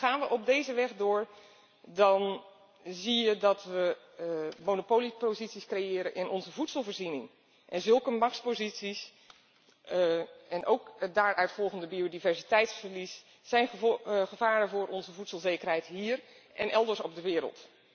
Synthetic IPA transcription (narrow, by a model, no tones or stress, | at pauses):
χaːnʋəʔɔb̚dejzəʋɛχdʊːɹ | dɔn | zijədɑtʋə | monopowlipozitsiskrejɪːɾənʔɪnʔɔnzəvutsəlˠvəːɹzinɪŋ | ʔɛnzɵlˠkəmɑkspozitsis | ɛnʔowkdaːɹʔœɥtfɔlˠɣəndəbiodivɛɹsitɛjtsfəɹlisː | ɛjnχəvaːɾəvʊːɾʔɔnzəvutsəlˠzeːkərɦɛjtɦiːr | ʔɛnʔɛlˠdəɹsɔb̚dəʋɪːɾə̰lˠt